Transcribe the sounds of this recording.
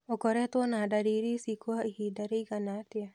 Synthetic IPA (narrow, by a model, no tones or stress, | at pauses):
okɔɾɛt̪ɔnadaɾiɾisikwahidaɾiɡanatja